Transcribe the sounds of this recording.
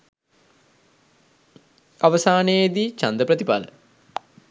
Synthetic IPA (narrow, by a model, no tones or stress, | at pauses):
aʋəsaːned̪it͡ʃand̪əpɾət̪ipa̰lə̰